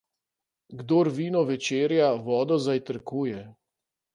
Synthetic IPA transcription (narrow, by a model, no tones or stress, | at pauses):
ɡd̪oːɾʋiːnɔʋɛt͡ʃeːɾjaʋɔːd̪ɔzajt̪əɾkuːjɛ